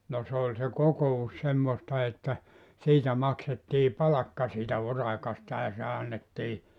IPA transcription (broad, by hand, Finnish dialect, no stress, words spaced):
no se olʲ se kokous semːostɑ etːæ siːtæ mɑksetːiː pɑlɑkːɑ siːtæ urɑkɑstɑ jɑ se ɑnːetːiː